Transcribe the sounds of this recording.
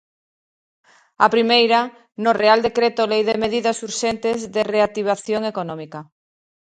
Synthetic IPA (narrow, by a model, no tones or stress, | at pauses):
a̰pɾimejɾɐ | nʊreald̪ekɾet̪olejðɪmeðiðɐsuɾʃent̪ɪzðɪreat̪iβ̞aθjoŋekonɔmikɐ